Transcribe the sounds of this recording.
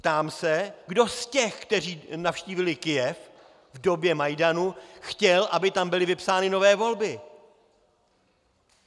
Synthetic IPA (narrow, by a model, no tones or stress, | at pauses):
pt̪aːmsɛɡdo̞scɛxkt̪ɛriːnafʃciːvɪlɪkɪjɛf | vdo̞bjɛmajdanuxcɛlʔabɪt̪ambɪlɪvɪpsaːnɪno̞vɛːvo̞lbɪ